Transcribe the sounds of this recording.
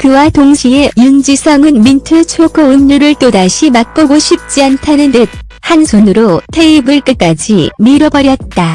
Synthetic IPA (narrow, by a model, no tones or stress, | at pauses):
kɯwatoŋɕʰiejund͡ʑisʰʌŋɯnmintʰɯt͡ɕʰoɡʰʌuɲːuɾɯɭt͈odaɕʰimak̚k͈oɡoɕʰip̚t͡ɕ͈iantʰanɯndɯt̚ | hansʰonɯɾotʰe̞ibɯɭk͈ɯk͈ad͡ʑimiɾʌbʌɾjʌt̚t͈a